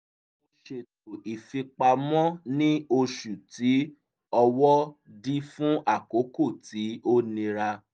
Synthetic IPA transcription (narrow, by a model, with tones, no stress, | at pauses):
o˧ʃe˨to˨i˨fi˧k͡pa˧mɔ̃˦nĩ˦o˧ʃu˨ti˨˦ | ɔ˧wɔ˦di˦fũ˦ʔa˦˨ko˨˦ko˦˨ti˨˦o˦nĩ˧ɾa˧